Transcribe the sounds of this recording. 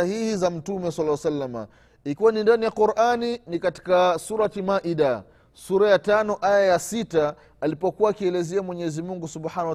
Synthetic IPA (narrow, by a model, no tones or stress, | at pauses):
ahihizam̩tumɛsalːawasalːama̰ | ikiwanindanijaquɾʔaninikati̥kasuɾatimaʔida | suɾajatanɔʔajajasitaː | lipɔkuwaːkiɛlɛzɛamwɛɲɛɛzimuŋɡusubħana